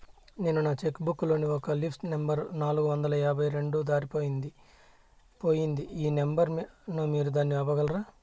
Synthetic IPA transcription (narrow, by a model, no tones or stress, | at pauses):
ne̞ːnunaːt͡ʃekːbukːlo̞ːniɔkɐlipʰʈnembɐɾnaːluɡuʋɐnd̪ɐlɐjaːbʱɐjɾe̞ɳɖud̪aːɾipo̞ːjind̪i | po̞ːjind̪iiːnembɐɾnumiːɾud̪aːnːiɐʋɐɡɐlɾaː